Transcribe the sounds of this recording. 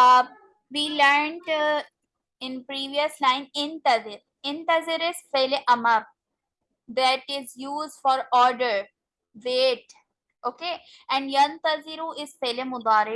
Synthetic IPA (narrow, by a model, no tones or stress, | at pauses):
ʋiːləɾɳɖ | ɪ̃npɾiːʋiəslãɪ̃nɪ̃nt̪ɐzɪɾ | ɪ̃nt̪əzɪɾɪzfeleʔɐməɾ | d̪æʈɪzjuːzɖfɔːɾɔːɾɖəɾ | ʋeːʈ̚ | oːkeː | ɛ̃ɳɖjɐ̃nt̪əzɪɾuɪzfeːlemʊd̪aːɾɪ